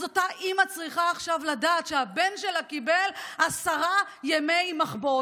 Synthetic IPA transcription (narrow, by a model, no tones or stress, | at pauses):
otaʔimat͡sʁiχaːχʃavladaːt̪ʃehabe̞nʃelakibelhasaʁa | jemejmaχbo